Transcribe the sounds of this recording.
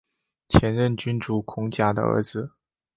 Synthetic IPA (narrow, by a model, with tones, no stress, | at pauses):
t͡ɕʰjɛ˧˥nɻə˥˩nt͡ɕy˥nʈ͡ʂu˨˩kʰʊ˧˥ŋt͡ɕja˨˩d̪ə̰˦ə̰˧˥d͡zɹ̩˧